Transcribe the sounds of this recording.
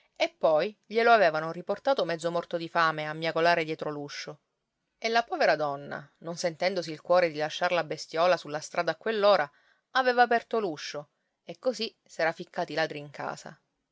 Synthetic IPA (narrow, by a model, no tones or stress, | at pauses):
epːɔjʎeloavɛːvanoriport̪aːt̪omɛd̪zːomɔrt̪od̪ifaːmeamːjakolaːɾed̪jɛːt̪ɾoluʃːo | elːapɔːveɾad̪ɔnːa̰nonsent̪ɛnd̪osiːlkwɔːɾed̪ilaʃːarlabest̪jɔːlasulːast̪ɾʔaːd̪aːkːwelːoːɾa | avɛːvaːpɛrt̪oluʃːo | ekːosi | sɛːɾafikːaːt̪ilad̪ɾiːŋkʰa̰ːsa̰